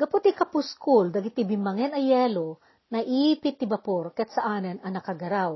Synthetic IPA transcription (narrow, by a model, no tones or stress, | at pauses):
ɡɐpʊt̪ikɐpʊskʊld̪ɐɡɪt̪ɪbɪmɐŋɛnɐjɛːlo | nɐʔiːpɪt̪ːɪbɐpoɾkɐɐt̪sɐʔaːnɪnɐnɐkɐɡɐɾaw